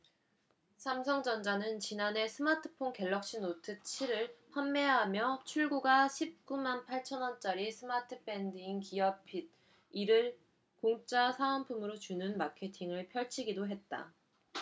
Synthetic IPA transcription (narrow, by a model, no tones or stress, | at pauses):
sʰamsʰʌŋd͡ʑʌnd͡ʑanɯnt͡ɕinane̞sʰɯmatʰɯ̥pʰonke̞ɭːʌk̚ɕ͈inotʰɯt͡ɕʰiɾɯɭɸʰamːe̞ɦamjʌt͡ɕʰuɭɡuɡaɕʰip̚k͈umanpʰaɭt͡ɕʰʌnʌnt͡ɕ͈aɾisʰɯmatʰɯpʰe̞ndɯiŋkiʌpʰid̚ | iɾɯɭ | koŋt͡ɕ͈asʰaanpʰumɯɾot͡ɕunɯnmakʰe̞tʰiŋɯɭpʰjʌɭt͡ɕʰiɡidoɦe̞t̚t͈a̰